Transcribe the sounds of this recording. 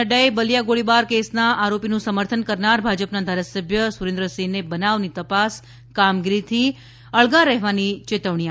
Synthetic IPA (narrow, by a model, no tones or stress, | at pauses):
əɖaebəlijaɡoɭibaɾkesnaʔaɾopinũsəməɾt̪ʰənkəɾnaɾbʱad͡ʒəpnad̪ʱaɾasəbʱjəsuɾẽnd̪ɾəsinebənaʋnit̪əpas | kamɡiɾit̪ʰi | əɭɡaɾɛɦʋanit͡ʃet̪əʋɳia